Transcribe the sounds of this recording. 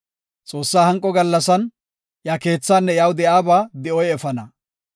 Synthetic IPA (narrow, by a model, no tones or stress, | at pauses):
t͡sʼo̞ːsːaːhɐŋkʼːɔɡɐlːɐsɐn | jaːke̞ːt͡sːaːnːɛjawd̪ɛjaːbaːd̪ɛɔjɛfɐnɐ